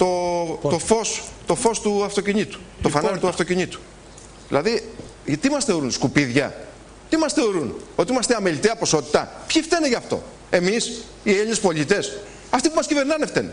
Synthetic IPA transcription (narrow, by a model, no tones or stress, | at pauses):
t̪ot̪ofo̞st̪o̞fo̞st̪uɐft̪ociɲit̪u̥ | t̪ofɐnɐɾit̪uɐft̪o̞ciɲit̪u̥ | ðilɐði | t̪imɐsθe̞o̞ɾunskupiðʝɐ̰ | t̪imɐsθeo̞ɾuno̞t̪iimɐst̪eɐmelit̪eɐpo̞so̞t̪i̥t̪ɐpçift̪eneʝɐːft̪o̞̰ | e̞mis | ielinespo̞lit̪e̞s | ɐft̪ipumɐscive̞ɾnɐneft̪ene